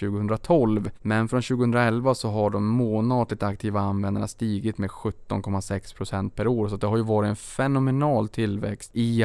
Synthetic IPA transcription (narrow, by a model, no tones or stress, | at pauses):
ʉ̟ːɡəɵnd̪ɾat̪ʰɔlvmɛnfɾɔnɕʉːɡəhɵnd̪ɾaɛlvasɔɦaɖɔmːoːnɑːd̪lɪk̚t̪ak̚t̪ʰiːvaanvɛnd̪a̰ɳast̪iːɡɪt̪meːd̪ɧɵt̪ːɔ̰nkʰɔmːasɛkspʰɾʊsɛnt̪̚pʰæɾoːɾsɔat̪̚d̪ɛɦaɾjɵvɑːɾɪt̪ɛnfɛnʊmɛnɑːlt̪ʰɪlvɛ̰kst̪ɪ